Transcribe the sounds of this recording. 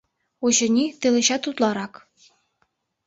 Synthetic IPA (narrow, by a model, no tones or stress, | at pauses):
uɕɤ̆nʲit̪ɤ̆lʲˠɘ̆ɕɑt̪ut̪lˠɑɾɑk